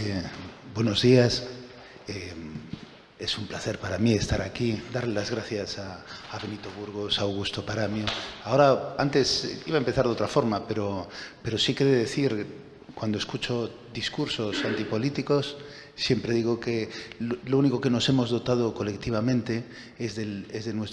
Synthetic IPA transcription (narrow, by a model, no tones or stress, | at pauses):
ebwe̞nozðias | e | esumplaθeɾpaɾamiest̪aɾakid̪aɾlelazɣ̞ɾaθjasaːβe̞nit̪oβ̞uɾɣ̞osawɣ̞ust̪opaɾamjoaoɾaant̪e̞siβaempeθaɾðot̪ɾafo̞ɾmapeɾope̞ɾo̞sikeðeðeθiɾ | kwand̪oeskut͡ʃo̞ | d̪iskuɾso̞sant̪ipo̞lit̪iko̞sː | je̞mpɾe̞ðiɣokelouniko̞ke̞no̞se̞mo̞zðo̞t̪að̞oko̞le̞kt̪iβ̞amẽnt̪e̞ | ezðelezðenwe̞s